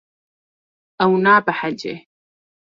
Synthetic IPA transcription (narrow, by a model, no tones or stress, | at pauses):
ʔawnaːbaħad͡ʒḛ